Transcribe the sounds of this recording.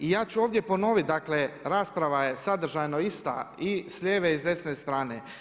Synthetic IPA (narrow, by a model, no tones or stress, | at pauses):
ijaːt͡ɕuoːʋd̪je̞po̞no̞ʋit̪̚d̪akle̞ɾaːspɾaʋajesad̪ɾ̩ʒajno̞ist̪a̰isʎʲeːʋeizd̪e̞sne̞st̪ɾaːne̞